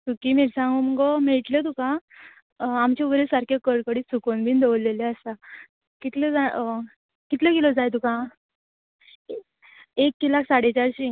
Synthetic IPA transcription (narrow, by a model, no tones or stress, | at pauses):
t̪ukimiɾsãŋɡuməɡɔmeɭʈlət̪ukã | amt͡ɕebɾesaɾkʰekəɽkəɽiːt͡sʰukonbʱiːnd̪eʋlːeleəsa | kit̪ləd͡za | kit̪ləkelɔd͡zajt̪ukã | ekːilaksaɽet͡ɕaɾɕi